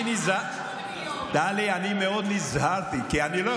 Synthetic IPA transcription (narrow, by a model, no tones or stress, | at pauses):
iniza | d̥̪aleanimeonizɦaɾt̪ikeanilɔ